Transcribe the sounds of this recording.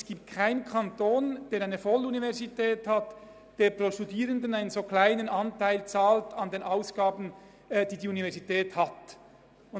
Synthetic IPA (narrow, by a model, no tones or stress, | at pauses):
sɡ̥iːp̚t̚kʰaɪnkʰɑntoːnd̥eːɾaɪnəfɔlunivɛʁzitʰɛːthat | d̥eːɐpɾoːʃtudiːʁəndənaɪnənz̥oːklaɪnənɑntaɪlt͡saːltɑndeːnʔaʊsɡ̥aːbn̩ː | d̥iːdiːunivɛʁzitʰɛːthat | ʊ